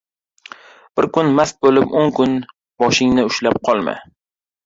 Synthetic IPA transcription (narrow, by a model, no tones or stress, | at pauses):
b̥ɪɾkʊnmast̪̚bolɪpoŋkʊn | bɒʃɪŋnɪʊʃlap̚qʰɒlˠma̰